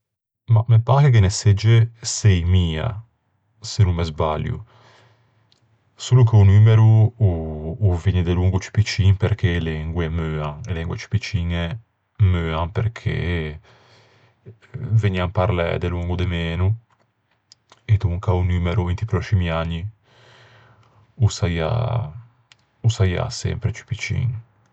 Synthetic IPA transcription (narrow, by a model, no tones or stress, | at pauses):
mamepaːkekenesed͡ʒːesɛjmiːa̰ | senumːezbaljṵ | suːlukeunyːmeɾu | viɲːid̪eluŋɡut͡ʃi̥pit͡ʃinpeɾkʰelɛŋɡwemøːaŋelɛŋɡwet͡ʃi̥pit͡ʃiːnɛ | møːampeɾkʰḛ | veɲiampaɾlɛ̰d̪eluŋɡud̪emeːnu | ed̪uŋkaunyːmeɾuint̪ipɾɔt͡ʃimiaɲːi | usaja̰ | usaja̰sɛ̰mpɾet͡ʃi̥pit͡ʃḭŋ